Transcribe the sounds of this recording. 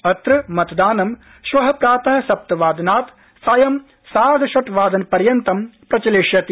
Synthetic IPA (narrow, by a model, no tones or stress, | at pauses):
ɐt̪ɾɨmɐt̪d̪aːnɐm | ʃʋɐɦɐpɾaːt̪ɐɦɐ̆sɐp̚t̪ɐʋaːd̪ɐnaːt̪ | sɐjɐm | saːd̪ʱɐʃɐʈʋaːd̪ɐnpɐɾjɐnt̪ɐmpɾɐt͡ʃɐleːʂjɐt̪i